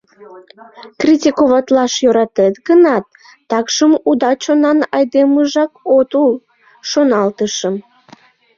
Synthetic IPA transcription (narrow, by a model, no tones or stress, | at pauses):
krʲitʲikoβɑt̪lɑʃjøɾɑt̪et̪ɡənɑt̪ː | ɑkʃəmud̪ɑt͡ɕonɑnɑjd̪eməʒɑkot̪ul | ʃonɑlt̪əʃəm